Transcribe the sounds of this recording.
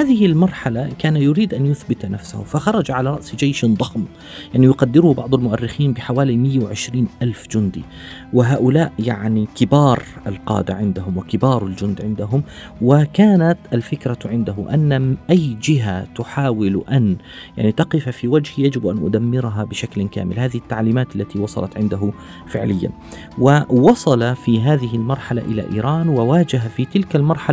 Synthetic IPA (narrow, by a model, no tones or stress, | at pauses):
haːðɪhɪlmɑɾˤħalakaːnajʊɾiːd̪ʔanjʊθbɪt̪nafsa̰hʊ̰faxɑɾˤɑd͡ʒaʕalaɾˤɑʔsd͡ʒajʃd̪ˤɑxm | jaʕnijʊqad̪ːɪɾʊhbɑʕd̪ˤʊlmʊʔarːɪxiːnbɪħawaːlimɪjːawʕɪʃɾiːnʔalfd͡ʒʊnd̪ḭ | wɪɦaːʔʊlaːʔjaʕnikɪbɑːɾˤ | alqɑ̰ːd̪aʕɪnd̪aɦʊmwɪkɪbɑːɾˤald͡ʒʊnd̪ʕɪnd̪aɦʊm | wɪkaːnat̪ʔalfɪkɾaʕɪnd̪aɦʊʔanːaʔajːd͡ʒɪɦat̪ʊħaːwɪlʔan | ja̰ʕnit̪ɑqɪfafiwad͡ʒhjad͡ʒɪbʔanʔʊ̰d̪amːɪɾɦabɪʃaklka̰ːmɪlhaːðɪhɪt̪ːaʕliːmaːt̪alːat̪iwɑsˤɑ̰lɑt̪ʕɪnd̪aɦʊ | fɪʕlɪjːa̰n | wɪwɑsˤɑlafiɦaːðɪɦɪlmɑɾˤħala̰ʔɪla̰ʔḭːɾˤɑːnwɪwaːd͡ʒaɦafit̪ɪlkalmɑɾˤħa